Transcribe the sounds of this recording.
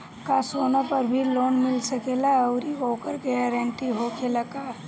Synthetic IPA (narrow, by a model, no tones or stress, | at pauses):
kasoːnapəɾbʱiloːnmɪlsɐkelaəʊɾioːkəɾɡɛɛɾə̃ɳʈiɦokelaka